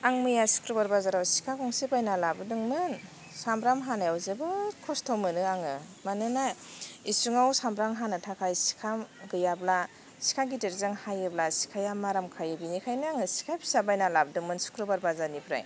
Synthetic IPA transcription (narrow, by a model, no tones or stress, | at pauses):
aŋmɯjasu̥kɾɯbaɾbazaɾawsi̥kʰakʰɔŋsibajnalabɯdɯŋmɯn | sambɾamɦanajawzɯbɯɾkʰɔstʰawmɯnɯaŋɯ | manɯnaisuŋawsambɾaŋɦanɯtʰakʰajsi̥kʰamɡɯjabla | si̥kʰaɡiteɾzɯŋhajɯblasi̥kʰajamːaɾamkʰajɯbinikʰajnɯaŋɯsi̥kʰapʰi̥sabajnalabɯdɯŋmɯnsu̥kʰɾɯbaɾbazanipʰɾa̰j